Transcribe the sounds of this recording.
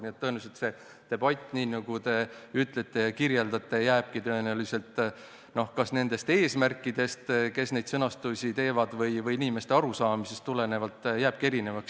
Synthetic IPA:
niet̪ːɤ̞eneset̪se̞ | t̪e̞b̥ɑt̪ʲːˑniːnɑɡ̥ut̪e̞yt̪ˑle̞t̪ːˑe̞jɑkiɾje̞ld̪ɑt̪ːˑejæːb̥̚kit̪øenelise̞lt̪ˑ | no̞hkɑsne̞nd̪̥e̞st̪e̞ːsmærkːˑid̪̥e̞st̪ke̞sne̞jd̪sɤnɑst̪usʲit̪e̞ːvɑd̪̥vɤjvɤjinʲime̞st̪e̞ɑɾusɑːmise̞st̪ːule̞ne̞vɑlt̪ˑːjæːb̥̚kie̞ɾine̞vɑks

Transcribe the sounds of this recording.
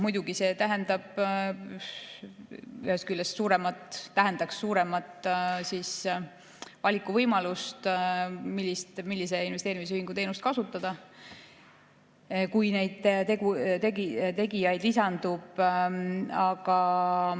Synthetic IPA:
mujd̪̥uɡise̞ːt̪æɦend̪ɑb̥ | yheskylːessuːɾemɑt̪ˑt̪æɦend̪ɑkssuːɾe̞mɑt̪ːˑsiːs | vɑlʲikːˑuvɤjmɑlust̪milːist̪milːis̬e̞invet̪eːɾimis̬yhiŋɡ̥ut̪e̞jnust̪kɑsut̪ːˑɑd̪̥ɑ | kujne̞jd̪̥t̪ekut̪eɡit̪e̞ɡijɑjd̪̥lisɑnd̪̥ub̥ | ɑɡ̥ɑ

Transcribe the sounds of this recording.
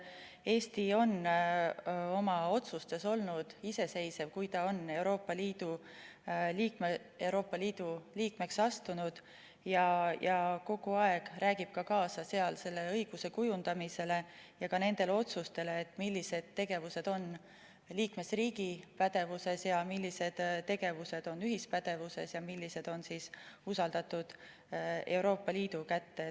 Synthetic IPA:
e̞ːst̪io̞n | o̞mɑo̞t̪sust̪e̞so̞lnud̪̥ise̞se̞jse̞vkujt̪ɑo̞ne̞wɾo̞ːpːˑɑliːd̪̥u | liːkme | e̞wɾo̞ːpˑːɑliːd̪̥uliːkme̞ksɑst̪unud̪̥ | jɑjɑko̞ɡ̥uɑe̞ɡ̥ræːɡib̥̚kɑkɑːsɑse̞ɑlse̞lːe̞ɤjɡ̥use̞kujund̪̥ɑmise̞le̞jɑkɑne̞nd̪e̞leo̞t̪sust̪e̞le̞ːt̪ːˑmilʲːise̞d̪̥̚t̪ːe̞ɡ̥e̞vuse̞d̪̥o̞n | liːkme̞sriːɡipæd̪̥e̞vuse̞sjɑmilːise̞d̪̥t̪ːe̞ɡ̥e̞vuse̞d̪̥o̞nyɦispæd̪̥e̞vuse̞sjɑmilʲːise̞d̪̥o̞nsiːsusɑld̪̥ɑt̪ud̪̥ | e̞wɾo̞ːpːˑɑliːd̪̥ukæt̪ːe̞

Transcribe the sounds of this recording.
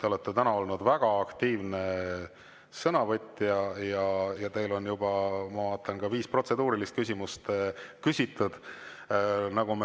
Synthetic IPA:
t̪e̞o̞let̪ːe̞t̪ænɑo̞lnud̪̥væɡ̥ɑɑkt̪iːvne̞ | sɤnɑvɤt̪ʲːjɑjɑjɑt̪e̞jlo̞njub̥ɑmɑvɑːt̪ˑːɑnɡ̥ɑviːspro̞t̪se̞d̪uːɾilist̪kysʲimust̪kysʲit̪ˑːud̪̥ | nɑɡ̥ume

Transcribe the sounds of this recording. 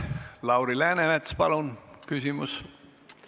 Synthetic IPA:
lɑwɾilæːnemet̪spɑlunkysʲimus

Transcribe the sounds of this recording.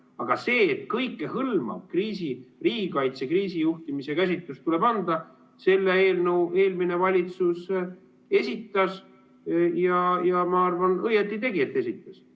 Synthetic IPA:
ɑɡ̥ɑse̞ːt̪ːkɤjkːe̞hɤlmɑ̰b̥kriːsiriːɡikɑjt̪sekriːsijuht̪imisekæs̬ʲit̪ːˑust̪ule̞bɑnd̪̥ɑ | se̞lːeeːlnəwe̞ːlmine̞vɑlʲit̪sus | e̞sʲit̪ːˑɑs | jɑjɑmɑɑrvɑnɤjet̪ːˑit̪e̞ɡiet̪ːˑe̞sit̪ːˑɑs

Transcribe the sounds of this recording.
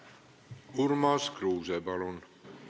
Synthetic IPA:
uɾmɑːskɾuːzɛbɑlun

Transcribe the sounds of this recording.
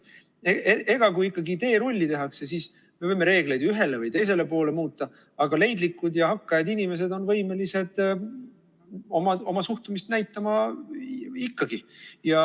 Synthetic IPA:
eee̞ɡ̥ɑkujikːɑɡit̪e̞ːɾo̞lʲːit̪e̞ɦɑkse̞siːs | me̞vɤjmːe̞ɾe̞ːɡle̞jd̪̥yɦe̞le̞vɯjt̪e̞js̬e̞le̞po̞ːle̞muːt̪ːˑɑ | ɑɡ̥ɑle̞jnd̪likːud̪jɑɦɑkːɑjɑd̪inʲime̞s̬e̞d̪o̞nvɤjme̞lise̞d̪̥ | omɑo̞mɑsuht̪umist̪næjt̪ˑːɑmɑ | ikːɑɡijɑ

